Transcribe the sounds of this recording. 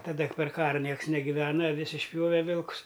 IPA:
tɐˈdɐ pʲɛr ˈkɑːrɐ ˈnʲiɛks nʲɛɡʲɪˈʋʲæːnɐ ɐˈʋʲɪs ɪʃʲˈpʲjoːʋʲɛ ˈʋʲɪlˠkʊs

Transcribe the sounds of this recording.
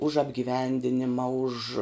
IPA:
ʊʃ ɐbʲɡʲɪˈʋʲɛnʲdʲɪnʲɪmɐ ʊʃ

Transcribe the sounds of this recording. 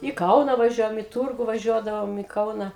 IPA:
ɪ ˈkɐʊnɐ ʋɐˈʒʲuɔjɛm ɪ ˈtuːrɡʊ ʋɐˈʒʲuɔdɐʋoːm ɪ ˈkɐʊnɐ

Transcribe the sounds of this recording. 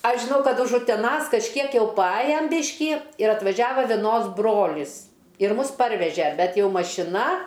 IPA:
ˈɐʃ ʒʲɪˈnɐʊ ˈkɐt ʊʃ ʊtʲɛˈnɐs kɐʃʲˈkʲiɛk jɛʊ pɐˈɑːjɛm ˈbʲɪʃʲkʲiː ɪr ɐtʋɐˈʒʲæːʋɐ ʋʲɛˈnoːs ˈbroːlʲɪs ɪr ˈmʊs ˈpɐrʲʋʲɛʒʲɛ ˈbʲɛt ˈjɛʊ mɐʃʲɪˈnɐ

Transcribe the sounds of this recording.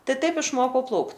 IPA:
ˈtɐɪ ˈtɐɪp ɪʃˈmoːkɐʊ ˈplˠɐʊkt

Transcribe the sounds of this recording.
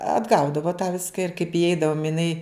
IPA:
ɐdˈɡɐʊdɐʋoː tɑː ˈʋʲɪskɐ ɪr kɐɪp iːˈɛɪdɐʋoːm ɪˈnɐɪ

